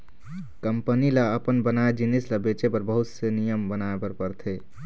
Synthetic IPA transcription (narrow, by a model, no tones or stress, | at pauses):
kəmpənilaəpənbənaed͡ʒinisləbet͡ʃepəɾbəɦut̪sənijəmbənaepəɾpəɾt̪ʰe